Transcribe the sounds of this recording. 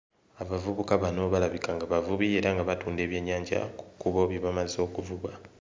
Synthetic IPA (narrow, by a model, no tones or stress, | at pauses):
aβavuβukaβano̞βalaβikaŋɡaβavuβie̞ɾaŋɡaβatuːnde̞ːβje̞ɲːaːɲɟa̰ku̥kuβo̞βjeβamazo̞kuvuβwa